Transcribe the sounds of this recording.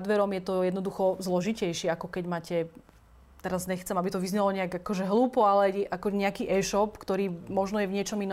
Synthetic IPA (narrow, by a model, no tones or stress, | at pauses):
d̪ʋɛɾɔmjɛt̪ɔjɛd̪nɔd̪uxɔzlɔʒicɛjʃɪɛakɔkɛɟmaːcɛ | t̪ɛɾazɲɛxt͡sɛmabit̪ɔʋizɲɛlɔɲɛaɡakɔʒɛɦluːpɔalɛɛʔakɔɲɛakiːʔɛːʃɔpkt̪ɔɾiːmɔʒnɔjɛvɲɪɛt͡ʃɔminɔ